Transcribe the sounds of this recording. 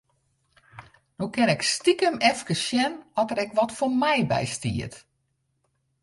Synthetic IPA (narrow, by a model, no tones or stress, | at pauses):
nukɪnɛkstikəmɛfkəsʃjɛnɔtəɾɛkʋɔtfomɛjbɛ̰jstḭət